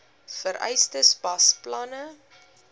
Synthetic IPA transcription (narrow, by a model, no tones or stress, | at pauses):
fəɾɛ̰jstəsbɐsplɐnə